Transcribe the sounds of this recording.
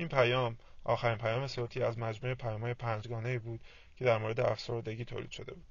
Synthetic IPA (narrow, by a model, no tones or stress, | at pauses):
ʔiːnpʰæjɒːmʔɒ̰ːxæɾiːnpʰæjɒːmesoːt̪ʰiːæzmæd͡ʒmuːepʰæjɒːmhɒːjepʰænd͡ʒɡɒːne̞iːbuːd̪̥ | cʰe̞d̪æɾmoːɾe̞d̪eæfsoɾd̪e̞ɟiːt̪ʰo̰ːlḭːd̪̥ʃo̞d̪e̞buːdd̪̥